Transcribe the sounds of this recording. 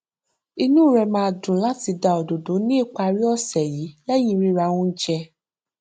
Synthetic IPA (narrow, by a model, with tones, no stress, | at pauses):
i˧nũ˦˨ɾɛ˧mãː˦˧˨dũ˨˦la˦ti˧da˧˨ɔ˨do˨do˨˦nĩ˦i˦˨k͡pa˧ɾi˦ɔ˦˨sɛ˨jiː˨˦lɛ˦j̃ĩ˧ɾi˦ɾa˧wũ˦d͡ʒɛ˧